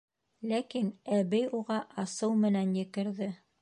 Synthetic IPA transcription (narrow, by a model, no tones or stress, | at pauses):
lækinæβɘjuʁɑʔɑsɤwmɘ̆nænjɘ̆kɘ̆ɾðɘ